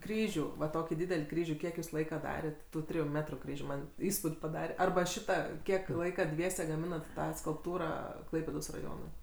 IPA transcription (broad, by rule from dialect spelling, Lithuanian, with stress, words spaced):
ˈkrʲiːʒʲuː ʋɐ ˈtoːkʲiː ˈdʲiːdʲɛlʲ ˈkrʲiːʒʲuː ˈkʲiɛk juːs ˈlˠɐɪkɐ ˈdɑːrʲɛtʲ tuː ˈtʲrʲɪjuː ˈmʲæːtrʊ ˈkrʲiːʒʲuː ˈmɐnʲ ˈiːspuːtʲ pɐˈdɑːrʲɛ ˈɐrbɐ ˈʃʲɪtɐ ˈkʲiɛk ˈlˠɐɪkɐ ˈdʲʋʲiɛsʲɛ ɡɐˈmʲɪnɐt ˈtɑː skʊlˠpˈtuːrɑː ˈklˠɐɪpʲeːdoːs rɐˈjoːnʊɪ